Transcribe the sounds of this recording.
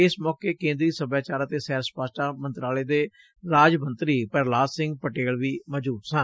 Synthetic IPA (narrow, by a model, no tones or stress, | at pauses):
ɪsmɔːkeːkẽːnd̪ɾiːsəbaːt͡ʃaːɾət̪eːsɛːɾspaːsʈaːmənt̪ɾaːleːd̪eː | ɾaːd͡ʒmənt̪ɾiːpəɾlaːsɪ̃ŋɡ̚pəʈeːɭʋiːməd͡ʒuːt̪sən